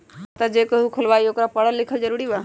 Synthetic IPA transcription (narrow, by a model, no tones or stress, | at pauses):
t̪ad͡ʒekəɦukʰʊlʋaːioːkɾapəɽəllɪkʰəld͡ʒəɾuɽiʋaː